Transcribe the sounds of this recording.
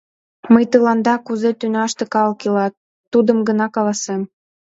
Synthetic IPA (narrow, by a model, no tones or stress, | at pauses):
məjt̪əlɑnd̪ɑkuzet̪ynɑʃt̪ekɑlkilɑt̪̚ː | ud̪əmɡənɑkɑlɑsem